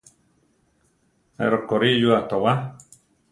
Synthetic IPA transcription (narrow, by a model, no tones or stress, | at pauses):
ḛɾokoɾijuat̪owa